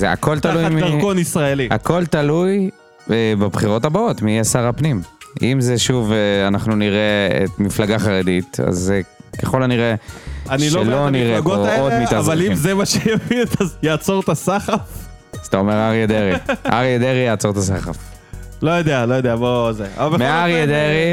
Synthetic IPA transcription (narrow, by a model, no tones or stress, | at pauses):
zea̰ko̞lt̪alujmikonisʁaelia̰ko̞lt̪aluj | ebabχiʁo̞tabao̞t̪miasaʁapnimimzeʃuvanaχnuniʁeḛtmiflaɡaχaʁedit̪a̰zekeχo̞laniʁeaniʃelloniʁeɡood̪mitavalimzemaʃejavit̪azjaːt͡soʁt̪asaχaf | ʃt̪aomeʁaʁied̪eʁiʔa̰ʁied̪eʁijaːt͡so̞ʁt̪asaχaf | lojod̪ealojod̪eabozea̰abemeaʁed̪eʁi